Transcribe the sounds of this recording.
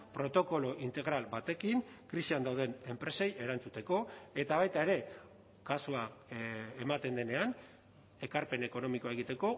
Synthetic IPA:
pɾo̞t̪o̞ko̞lo̞ʔint̪e̞ɣ̞ɾalbat̪e̞kiŋkɾisiand̪awð̞e̞ne̞mpɾe̞se̞je̞ɾant͡sut̪e̞ko̞e̞t̪aβajt̪ae̞ɾe̞ | kasua | emat̪e̞nd̪e̞ne̞an | e̞kaɾpe̞ne̞ko̞no̞miko̞aeɣ̞it̪e̞ko̞

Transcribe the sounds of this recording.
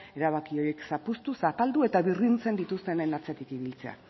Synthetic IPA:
e̞ɾaβakio̞jeksapust̪usat̪ald̪ue̞t̪aβirint͡se̞nd̪it̪ust̪e̞nenat͡se̞t̪ikiβilt͡se̞̰a̰

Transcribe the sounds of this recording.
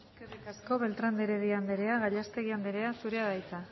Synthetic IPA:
kerikasko̞βe̞lt̪ɾand̪eɾeðiand̪eɾe̞aɣaʎast̪e̞ɣ̞iand̪eɾe̞asuɾe̞aðajt͡s̪a

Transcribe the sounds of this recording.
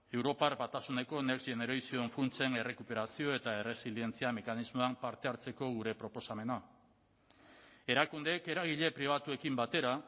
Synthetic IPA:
e̞wɾo̞paɾbat̪asune̞ko̞nekseneɾojsio̞eɱfunt͡se̞ne̞re̞kupe̞ɾasio̞e̞t̪ae̞re̞silie̞nt͡siame̞kanizmoampaɾt̪e̞aɾt͡se̞ko̞ɣ̞uɾe̞pɾo̞po̞same̞na | e̞ɾakund̪e̞ːke̞ɾaɣ̞iʎe̞pɾiβ̞at̪ue̞kimbat̪e̞ɾa

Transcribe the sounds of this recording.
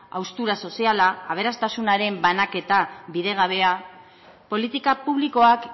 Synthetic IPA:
a̰wst̪uɾaso̞sialaːβ̞e̞ɾast̪asunaɾe̞mbanake̞t̪abiðe̞ɣ̞aβ̞e̞a | po̞lit̪ikapuβ̞liko̞ak

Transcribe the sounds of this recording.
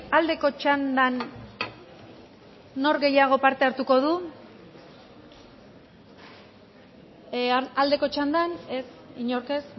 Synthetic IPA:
ald̪e̞ko̞t͡ʃand̪an | o̞ɾɣe̞jaɣ̞o̞paɾt̪e̞aɾt̪uko̞ð̞u | ald̪e̞ko̞t͡ʃand̪ane̞siɲo̞ɾke̞s

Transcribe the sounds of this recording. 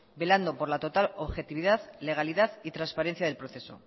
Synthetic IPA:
be̞land̪o̞po̞ɾlat̪o̞t̪alo̞βxe̞t̪iβ̞iðaðle̞ɣ̞aliðaðit̪ɾanspaɾen̟θjað̞elpɾo̞θe̞so̞̰

